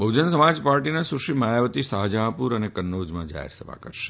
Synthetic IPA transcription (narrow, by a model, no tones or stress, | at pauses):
bəwd͡ʒənsəmad͡ʒpaɾʈinasuɾʃimajaʋət̪isaɦd͡ʒãpuɾənekənːod͡ʒmãd͡ʒa̰ɦḛɾsəbʱa̰kəɾʃe̥